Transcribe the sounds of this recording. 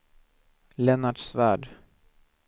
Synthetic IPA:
lɛnaʈʂvæːɖ

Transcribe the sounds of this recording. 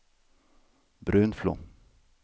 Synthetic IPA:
bɾʉːnflo̰ː

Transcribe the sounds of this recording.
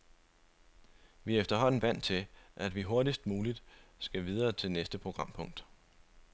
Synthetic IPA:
ʋiefd̥ɐɦɒ̽n̰n̩ʋæn̰t͡sʰe̝ʔæd̥ʋiɦo̝ɐɾisd̥muːlid̥sɡ̥æʋið̞ˠɐːt͡sʰe̝lnesd̥əpʰʁo̝ɡ̥ʁɑ̈m̰pʰɔ̽ŋ̰d̥

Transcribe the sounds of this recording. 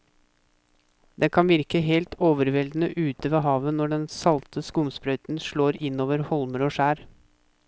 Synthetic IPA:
d̪ɛkʰɑnʋɪɾkəɦeːlt̪ʰoːʋəɾʋɛld̪n̩əʔʉːt̪əʋeːɦɑːʋənɔɖɛnsɑlt̪ʰəskʊmspɾœʏt̪n̩ʂɭoːɾɪnoːʋəɾhɔlməɾoːʂæːɾ

